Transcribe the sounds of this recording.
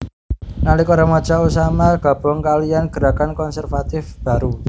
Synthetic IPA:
nalɪkoɾamɔ̥t͡ʃausamaɡ̥a̤b̥ɔŋkalianɡ̥əɾakankɔnsɛrfat̪ɪfb̥a̤ɾu

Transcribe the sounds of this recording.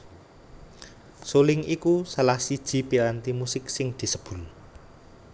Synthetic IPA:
solɪŋikusəlahsid̥ʒ̥i̤piɾant̪imusɪksɪŋd̪̥i̤səb̥ʊ̤l

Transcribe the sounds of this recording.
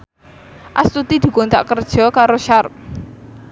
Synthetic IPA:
ʔast̪ut̪id̪̥i̤kont̪a̰ʔkərd̥ʒ̥ɔ̤kaɾoʃarp̚

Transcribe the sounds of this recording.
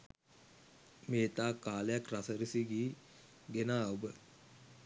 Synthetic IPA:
meːt̪aːkːaːlejakrasəɾisiɡiː | ɡenaːəubə

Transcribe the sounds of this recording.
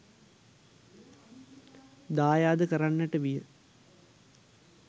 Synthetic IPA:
d̪aːjaːd̪əkəɾanːəʈəʋijə

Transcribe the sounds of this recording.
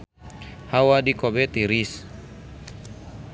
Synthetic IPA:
hawadikɔbɛt̪iɾis

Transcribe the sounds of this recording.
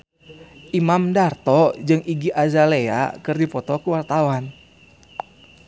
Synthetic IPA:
ʔimamdart̪ɔd͡ʒɨŋʔiɡiʔazalea̰kɨrdipɔt̪ɔkuwart̪awan

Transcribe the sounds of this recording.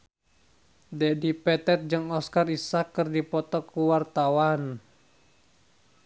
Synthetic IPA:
dɛdipɛt̪ɛt̪̚d͡ʒɨŋɔskarisakːɨrdipɔt̪ɔkuwart̪awan

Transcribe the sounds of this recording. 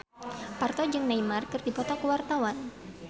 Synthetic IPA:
part̪ɔd͡ʒɨŋnaimarkɨrdipɔt̪ɔkəwart̪awan

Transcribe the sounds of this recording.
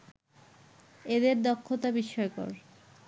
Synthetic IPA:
ed̪eɾd̪ɔkʰːot̪abiʃɔekɔ̰ɾ

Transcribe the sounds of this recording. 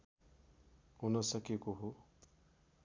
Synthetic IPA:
ɦunʌsʌkekoɦo

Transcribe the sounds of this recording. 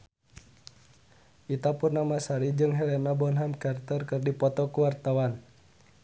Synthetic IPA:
ʔit̪apunːamasaɾid͡ʒɨŋɦɛlɛnabɔnɦamkart̪ɔrkɨrdipɔt̪ɔkuwart̪awan

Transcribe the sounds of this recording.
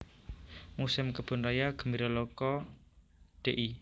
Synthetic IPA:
musɪmkəb̥ʊ̤nrajaɡ̥ə̤miɾɔlɔkɔ | ɖ̥eʔi

